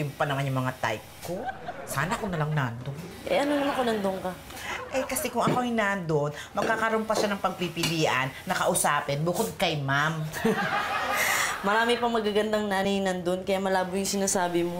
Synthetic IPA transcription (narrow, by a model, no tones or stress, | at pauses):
ʊŋpɐnɐŋɐɲɐmɐŋat̪a̰jp̚kosaːnɐʔkonɐlaŋnand̪oŋʔɛ̰ʔɐnonɐnɐkonɐnd̪oŋkɐ | ʔɛjkɐsɛkʊŋʔɐkoʔɐŋjnand̪on | mɐɡ̚kːakɐɾompɐʃanɐŋpɐɡ̚pipɪliːʔɐnːɐkɐʔʊsaːpɪnbʊkod̪̚kɐjmam | mɐɾaːmɪpɐŋmɐɡaɡɐnd̪aŋnanhiːnɐnd̪onkɐjamɐlaːboŋjʊŋsɪnaːsaːbɪmo